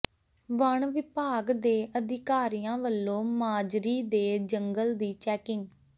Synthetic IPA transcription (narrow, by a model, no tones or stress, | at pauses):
ʋəɳʋɪpaːɡd̪eːʔəd̪ɪkaːɾijãːʋəlːõːmaːd͡ʒɾiːd̪eːd͡ʒəŋɡəld̪iːt͡ʃɛːkɪŋɡ